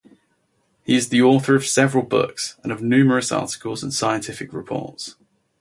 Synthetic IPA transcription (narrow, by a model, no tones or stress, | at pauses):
hiɪzðiɔˑθəɹəv̥sɛvəɹəlˠbʊ̰ksə̃nəvnjʉːməɹəsɑ̰ˑtɪ̥kʰəlˠzə̃nsaɪə̃ntʰɪfɪkɹɪpʰɔ̰ˑts